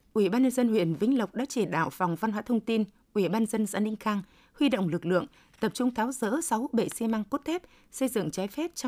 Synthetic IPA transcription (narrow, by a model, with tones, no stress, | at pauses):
ʔwi˧˩˨ɓaː˧nɲə˧nzə˧nhwḭ˧˨ənvï˧˦ŋ̟lə˨˩wk͡p̚ɗa̰ː˧˥t͡ɕe˧˩ɗa̰ː˧˩wfɔ˨˩wŋ͡mva˧nɦwaː˧˦˥t̪ʰə˧wŋ͡mt̪i˧n | ʔwi˧˩ɓaː˧nzə˧nza̰ː˧˥nï˧ŋ̟xaː˧ŋ | hwi˧ɗo̰˧˨wŋ͡mlɨ˨˩k̚lɨ̰˧˨əŋ | t̪ə˨˩p̚t͡ɕʊ˧ŋ͡mt̪ʰaː˨˦wzə̰ː˧˥sa˨˦wɓḛ˧˨si˧ma˧ŋko˦˥t̚t̪ʰɛ˦˥p̚ | sə˧jzɨ̰˧˨ŋt͡ɕaː˨˦jfɛ˦˥p̚t͡ɕɔ˧